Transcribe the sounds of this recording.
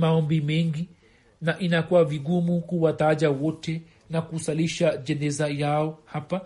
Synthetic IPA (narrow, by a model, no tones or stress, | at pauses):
maɔmbimɛŋɡi | naʔinakuwaviɡumukuwataʄawɔtɛ | nakusaliʃaʄɛnɛzajaɔhapa